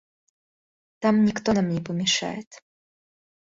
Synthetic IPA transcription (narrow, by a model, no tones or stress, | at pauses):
t̪amnʲikt̪ɔnamnʲɛpəmʲɛʂa̰jɪt̪